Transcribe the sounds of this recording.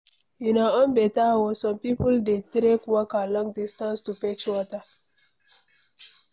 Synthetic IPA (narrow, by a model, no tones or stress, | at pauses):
jinaɔ̃nbɛtawɔsɔ̃mpipuldetɾekwakalɔ̃ŋdistãnstupet͡ʃwɔta